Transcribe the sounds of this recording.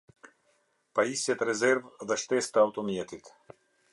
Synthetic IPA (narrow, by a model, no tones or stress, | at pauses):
paisɛt̪ɾɛzɛɾvd̪aʃt̪ɛst̪awt̪omijɛt̪it̪